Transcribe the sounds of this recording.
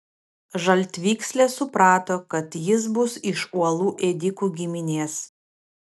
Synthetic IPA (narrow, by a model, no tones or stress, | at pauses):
ʒɐlʲt̪ʲʋʲiːksʲlʲesʊpɾɑːt̪oːkɐt̪jɪs̬bʊsɪʃuɔlˠuːʔɛd̪ʲɪkuːɡʲɪmʲɪnʲeːs